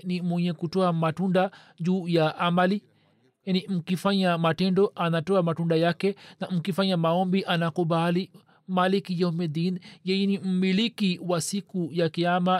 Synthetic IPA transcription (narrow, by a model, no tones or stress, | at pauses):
nimwɛɲɛkutɔamatunda | d͡ʒuːjaʔamali | janim̩kifaɲamatɛndɔʔanatɔamatundajakɛnam̩kifaɲamaɔmbiʔanakubali | malikijɔmɛd̪injɛjɛnim̩milikiwasikujakiama